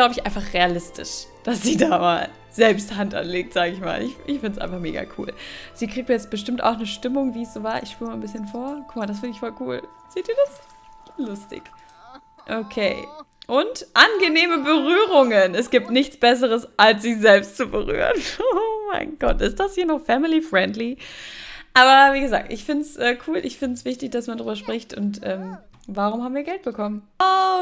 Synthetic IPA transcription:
ɡlaʊbəɪçʔaɪnfaχʁealɪstɪ̰ʃd̥asz̥iːdaːma̰ːl | zɛlpsthantʔa̰nleːk̚tz̥aːɡəɪçma̰ːlɪ̰çɪçfɪndəsʔaɪnfaχmḛːɡa̰kʰṵːlz̥iːkʁ̥ik̚tjɛt͡st̚b̥əʃtɪmtʔaʊxnəʃtɪmʊŋviːɛsz̥oːvaːɐʔɪ̰çʃpyːɐmaːnbɪsçənfoːɐkʰʊkmaɐdasfɪndəɪçfɔlkʰuːl | z̥eːtdiːɐdas | lʊstɪ̰ç | ʔokʰeː | ʔʊntʔanɡəneːməbəʁyːʁ̞ʊŋənɛsɡ̥iːp̚tnɪçt͡sb̥ɛs̬əʁəsʔalsz̥ɪçz̥ɛlpstt͡subəʁy̰ːʁənoma̰ɪnɡɔ̰tʔɪst̚d̥ashiːɐnɔχfɛmɪlifʁ̥ɛndli | ʔaːbɐviːɡəza̰ːk̚tʔɪ̰çfɪntsʔɛːkʰuːlʔɪ̰çfɪntsv̥ɪçtɪçd̥asmandʁyːbɐʃpʁ̥ɪçtʔʊntʔɛːm | vaʁ̞ʊmhaːbm̩viːɐɡɛlt̚b̥əkʰɔmən | o

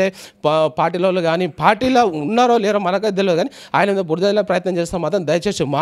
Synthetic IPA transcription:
epaːɾʈ̬iːloːlːuɡaːnipaːɾʈiːloːunːaːɾoːlɛːɾoːmɐnɐk̬ɐd̪elɛd̪ɡaːni | aːjɐnɐminɐbuɾd̪ɐlopɾɐjɐt̪nɐmt͡ʃɛːst̪aːmaːt̪ɾɐmd̪ɐjɐt͡ʃeːsemaː

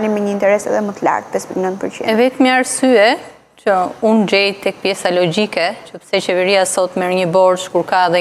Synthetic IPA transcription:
limɛɲəint̪ɛɾɛsɛ̰ðɛmət̪əla̰ɾt̪̚pɛspiknə̃nt̪̚pəɾt͡ʃḭɛvɛt̪miaɾsyɛ | t͡ʃəund͡ʑɛjt̪ɛk̚pjɛsalɔd͡ʑikɛt͡ʃəpə̥sɛt͡ʃɛvɛɾiasɔt̪mɛɾɲəbɔɾt͡ʃkuɾkaðɛ

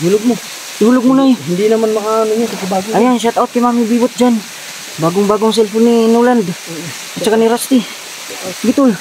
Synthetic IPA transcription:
ɦulʊɡ̚mo | iɦulʊɡ̚munajɦind̪inamanmaɦanuɲukakibaɡuajaŋs̬at̪aot̪̚kimamibibʊt̪̚d͡ʒan | baɡʊŋbaɡʊŋs̬ɛlpuninuland̪ | at͡ʃakaniɾast̪i | ɡit̪ul

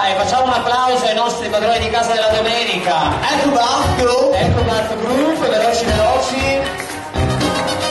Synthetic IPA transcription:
jfat͡ʃːaːmounapːlawzoajnɔst̪ɾipwad̪ɾɔːnid̪ikaːzad̪elːad̪omɛnikaɛrːubat̪oɛkoat̪oɡɾupːvelɔt͡ʃivelɔːt͡ʃi

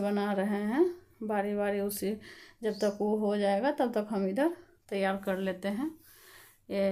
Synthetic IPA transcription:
bənaɾəɦeɦɛ̃ | baːɾibaːɾiʊsid͡ʒəbt̪əkuɦod͡ʒaːeɡat̪ɐb̚t̪əkɦɐmid̪əɾ | t̪əjːaːɾkɐɾleːt̪eɦɛ̃ | je

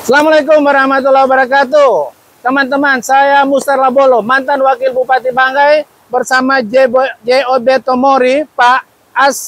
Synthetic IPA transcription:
salamalakʊmwaɾahmat̪̬ulabaɾakat̪u | t̪əmant̪əmansajamust̪arlabolɔmant̪anwakɪlbupat̪ibaŋɡaj | bərsamad͡ʒeobɛt̪omoɾipa | as

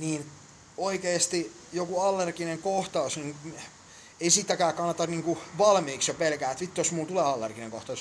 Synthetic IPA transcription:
niːn | oikeːst̪i | jokuɑlːerɡineŋkoht̪ɑusniːŋ | eisit̪ːækæːkɑnːɑt̪ɑnniːŋkuʋɑlmiːksjopelkæːet̪ʋit̪ːosmult̪uleːɑlːḛrɡ̥ineŋko̰ht̪ɑˑus

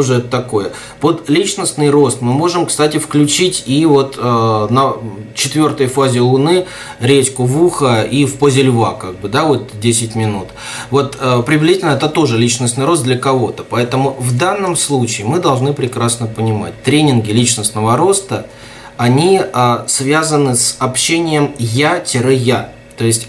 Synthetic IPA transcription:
oʐɛt̪ət̪ɐkojə | pod̪lʲit͡ɕnəsnɨjro̞st̪mɨmo̞ʐɨmkst̪atʲɪfklʲʉt͡ɕitʲivo̞t̪ənət͡ɕɪt̪vʲo̞rt̪əjəfazʲɪlˠʊnɨ | ɾʲet͡ɕʲkʊvuxəifpozʲɪlʲva̰kaɡ̚bɨd̪avo̞t̪̚dʲesʲɪtʲmʲɪnut̪ | vo̞t̪ːpɾʲɪvlʲɪzʲitʲɪlʲnəɛt̪ət̪o̞ʐɨlʲit͡ɕnəsnɨjɾot̪̚d̪lʲəkɐvo̞t̪əpɐɛt̪əmʊvd̪anːəmslˠut͡ɕɪːmɨd̪ɐlˠʐnɨpɾʲɪkɾasnəpənʲɪma̰t̚ʲt̪ɾʲenʲɪnɡʲɪlʲit͡ɕnəsnəvəɾo̞st̪ə | ɐnʲiəsvʲazənɨsɐpɕːenʲɪjəmjatʲɪɾɨja | t̪o̞ɪsʲtʲ

